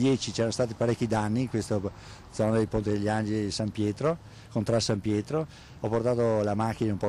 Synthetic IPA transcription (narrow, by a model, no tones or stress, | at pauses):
d̪jɛːt͡ʃit͡ʃɛːɾanost̪aːt̪ipaɾekːid̪anːiːŋkwest̪o | d̪zɔːnad̪elpont̪id̪eʎːand͡ʒelisampjɛːt̪ɾo | kont̪ɾasampjɛːt̪ɾo | ɔport̪aːt̪olamakːinaumpɔ